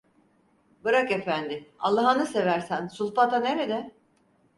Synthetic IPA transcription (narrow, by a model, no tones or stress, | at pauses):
bɯɾake̞fænd̪ɪa̰lˠːaɦanɯse̞væɾsænsulˠpat̪ane̞ɾed̪ɛ